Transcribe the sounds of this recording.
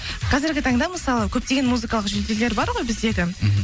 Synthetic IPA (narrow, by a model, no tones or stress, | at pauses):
qʰɑzɪɾɡʲɪt̪ʰɑɴd̪ɑməsɑlˠəkʲʰɵp̚t̪e̞ɡʲe̞nmuzɨkɑlˠəqʒɵld̪ele̞ɾbɑɾʁo̞jbɪzekʲɪ